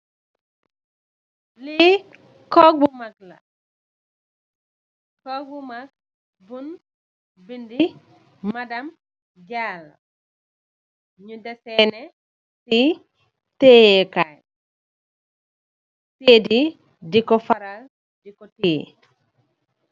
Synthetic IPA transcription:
li | kɔk̚bumakla̰ | kɔk̚bumak̚ | bun | bindimadam | d͡ʒalːa̰ | ɲudɛsɛnɛ | ti | tejɛkaj | tedi | dikɔfaɾal | dikɔti

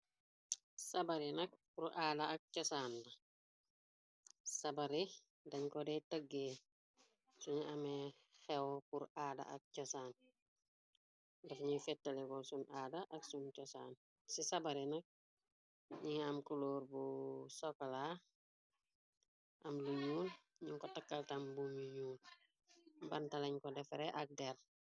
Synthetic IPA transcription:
sɐbɐɾinɐk̚puɾaːdɐɐk̚cɔsaːnːɐ | sɐbɐɾi | dɐɲkɔdɛtəɡːe | suɲiɐmɛ | xɛwpuɾaːdɐ̰ʔɐ̰k̚cɔsaːn | dɛfɲifɛtːɐlikɔsunaːdaʔɐksuncɔsa̰n | sisɐbɐɾinɐk̚ | ɲiŋɐmkuloːɾbusɔkala | ʔɐmlujuːn | ɲiŋkɔtɐkːaltambumujuːn | bɐntalɐɲkɔdɛfɾɛʔɐk̚dɛr

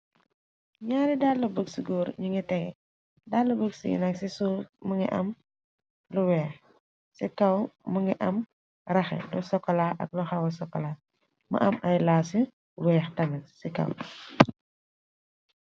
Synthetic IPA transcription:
ɲaːɾidalːɐbəɡsiɡɔːɾɲiŋitɛŋɡɛ̰ | dalːɐbəɡsḭɡḭnɐksisulməŋḭʔɐ̰m | luwɛːx | sikɐwmuŋɡiʔɐm | rɐxɛ̰lusɔkːɔlaːʔɐ̰k̚lɔxɐwɐsɔkːɔla | mɐ̰ʔɐmɐjlaːsi | wɛːxtɐmɛsikɐ̰w

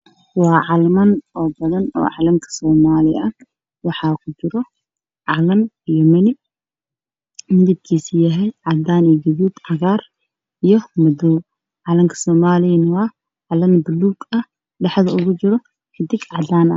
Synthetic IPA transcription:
wɑːʕɑlmɐnɔːbɐðɐnɔ̰ːʕɑlɐmkʰɐ̥sɔːmaːlɪ̰ɐ | wɑħɑːkʰʊd͡ʒɪɾɔ | ʕɑlɐm | ijɔmɐnɪ | mɪd̪ɪb̪̚kʰiːsɪjɐɦɛjʕɑd̪aːniːɡɐβuːd̪ʕɑɣaːr | ijɞmɐd̪ɔw | ʕɑlɐŋkʰɐ̥sɔːmaːlɪjɐnwaː | ʕɑlɐnbɐlːuːɡɐ | ɖɑħðɐʊɣʊt͡ʃɪɾɔ | kʰɐd̪ɪɡʕɑd̪aːnɐ̰

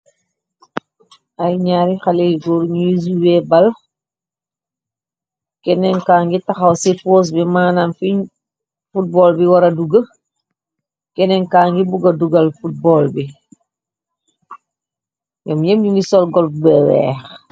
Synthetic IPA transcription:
ɐjɲaːɾixaleɡɔɾɲujis̬uwɛbɐl | kɛnɛŋkaːŋɡitɐxɐwsipoːs̬bimaːnamfiɲ | fut̚bɔːlbiwɐɾɐduɡə | kɛnɛŋkaːŋɡibuɡɐduɡɐlfut̚bɔːlbi | jɛmɲemɲinisɔlɡɔlbbɛwɛ̰ːx

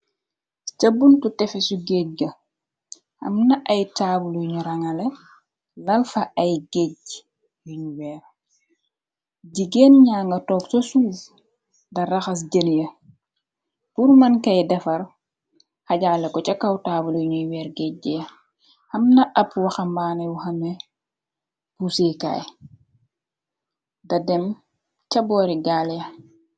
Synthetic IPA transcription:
t͡ʃɐbuntutɛfɛsuɡec̚ɡɐ | ɐ̰mnɐʔɐjtaːbulujuɲuɾɐŋɐlɛ | lɐlfɐʔɐjɡɛɟ | juɲuwɛːɾ | ɟiɡeːnɲaːŋɡɐtɔːksosuːf | dɐrɐxɐs̬ɟəljɐ | puɾmɐnkɐjdɐfɐɾ | xɐɟaːlːɐkɔcɐkɐwtaːbuljuɲujwɛːɾɡɛɟijɐ | hɐmnɐʔɐpwɐxɐmbaːnɛwuxɐmɛ | puseka̰ːj | dɐdɛm | cɐbɔːɾiɡaːljɐ

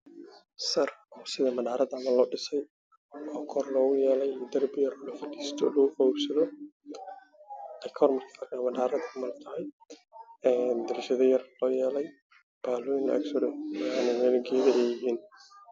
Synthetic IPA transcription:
sɐrɔːsɪðɐmɐdaːɾɐd̪ɐmɐlɔːɖɪsɛj | ʔɔːkʰɔrlɔːɣʊjɛːlɛjid̪ɐrbɪjɐɾlɔfɐdiːst̪ʰɔ̰lɔɣʊfɔwɾsɐðɔ | ɛjkʰɐɔɾmɐrkʰɐkamɐdaːɾɐd̪ɐmɐlt̪ʰɐɛj | ɛːnd̪ɪɾʃɐðɔjɐrlɔːjɛːlɛj | b̥aːluɪnlɐ̰ʔɐ̰ksɔɾɪmanɛmɛlɐɡɛːðɛʔɛjɪɦiːn

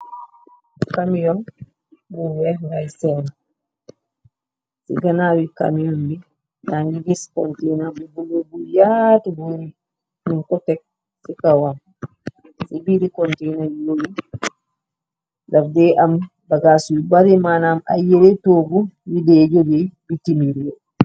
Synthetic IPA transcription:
kamijɔn | buwɛŋɡajsɛna | sḭɡanawika̰mijɔmbi | naŋɡiɡiskɔntɛjnabubulobujatubuɾi | miŋkɔtɛk̚ | sikawan | sibiɾikɔntɛnajowi | dafdɛam | baɡasuibaɾimanama̰jelɛtoɡuwidɛd͡ʒobibitimiɾijɔ

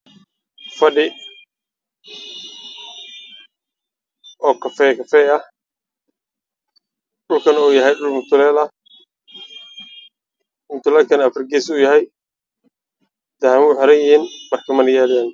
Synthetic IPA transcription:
fɐɖɪ | ɔːkʰɐfɛːkʰɐfɛɐh | ɖʊlkʰɐnuːjɐɦɛjɖʊlmʊt̪ʰʊlɛːlɐ | mʊt̪ʰʊlɛːlkʰɐnɐfrɡɛːsʊjɐɦɛj | d̪ɐhmʊħɔɾɐjɪhiːnmɐrkʰɐmɐnɐjɛːlɪjaːn

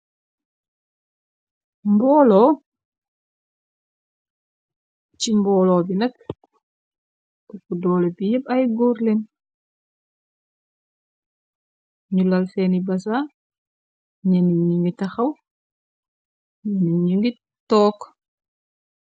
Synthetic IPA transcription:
mbɔːlɔː | cimbɔːlɔːbinɐk | tɐkudɔːlepijəpɐjɡoːɾlen | ɲulɐlsɛnibɐsa | ɲɛniɲiŋɡitɐxɐw | ɲɛniɲiŋɡi | tɔːk

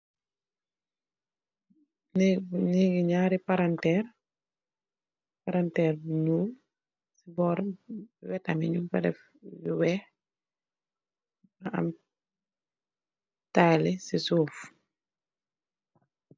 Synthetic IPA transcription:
nniɡiɲaːɾipaɾantɛːr | paɾantɛːrbiɲuːl | sibɔɾwɛtamiɲumpɛdɛ̰f | biwɛh | aa̰m | taːlisisuːf

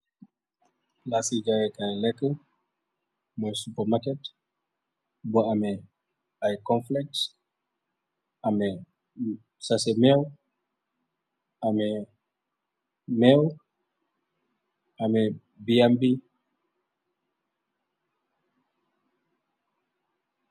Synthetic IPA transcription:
lasid͡ʒajekalɛkl | mɔsupəmakɛt | bɔamɛ | ajkɔ̃nflɛk̚t | amɛ | sasemew | amɛ | mɛl | amɛ | biɛmbi

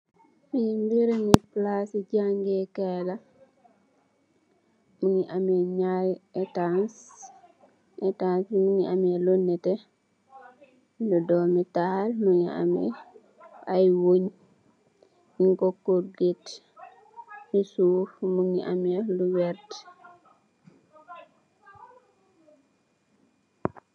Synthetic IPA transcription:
mimbiɾɛniplasid͡ʒaŋɡɛkɛla | muniʔamɛɲajɛtans | ɛtansmuɲiamɛlɔnːɛtɛ | dɔdɔmitahalmuɲia̰mɛ̰ | ʔajwoɲ | iŋkɔkːoɾɡet | jusufmuɲiʔa̰mɛluwɛɾt

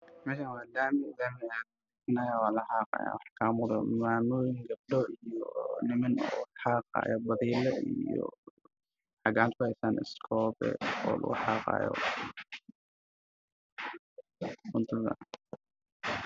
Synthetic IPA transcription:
mɛːʃanwaːd̪aːmɪɣanɛja | ɪsnaːjaːwaːlɐħaːqɑ̰ːja̰ːwɑħkʰaːmʊðɐmaːmuːjɪŋɡɐb̚ɖɔijɔnɪmɐnɔ̰ħaːqɑ̰ːjɔbɐðiːlɛḭjɔ̰ | ħɑɡaːnt̪̚kʰʊhɛjsaːnʔɪ̰skʰɔːbɛ̰ɔ̰ːlɐ̰ɣʊ̰ħɑːqɑ̰ːjɔ̰ | ʊnt̪ʰʊðɐ̰

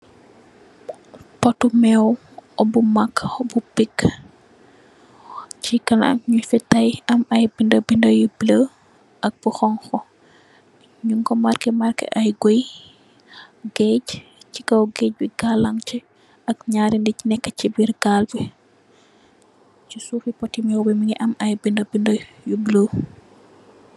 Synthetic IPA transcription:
pɔtumɛw | ʔɔbumakːɔbupikː | t͡ʃikɐna̰k̚ɲufɛtajɐmɐjbindəbindɐjiblə | ʔɐk̚b̥uxɔŋxɔ | ɲuŋkɔmarkɛmarkɛ̰ʔɐjɡoj | ɡɛɟcikɐwɡɛːc̚biɡalːaŋt͡ʃɛ | ɐkɲaːɾindicnɛkːət͡ʃibirɡalbɛ | t͡ʃisuːfipɔtːimɛwbɛmiŋiʔɐmɐjbindɐbindɐjubləw

